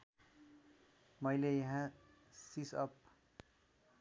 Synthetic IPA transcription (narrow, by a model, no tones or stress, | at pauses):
mʌjlejʌɦã | sisʌ̰p̚